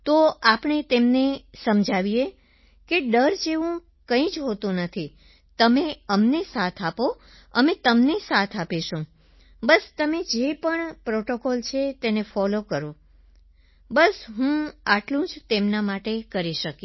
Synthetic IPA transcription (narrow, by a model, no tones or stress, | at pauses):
t̪oapɳ̃et̪emnesəmd͡ʒʱaʋije | keɖəɾd͡ʒeʋũ | kə̃ĩd͡ʒɦot̪ũnət̪ʰi | t̪əmeəmnesat̪ʰapo | əmẽt̪əmnesat̪ʰapeʃũ | bəst̪əmed͡ʒepəɳpɾoʈokɔlt͡ʃʰet̪enefɔlokəɾo | bəsɦũaʈlũd͡ʒt̪emnamaʈekəɾiʃəki